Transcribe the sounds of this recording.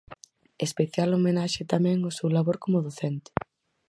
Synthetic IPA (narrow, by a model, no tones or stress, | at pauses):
espeθjalomenaʃɪt̪amɛ̃ŋosewlaβoɾkomʊðoθɛnt̪ɪ̥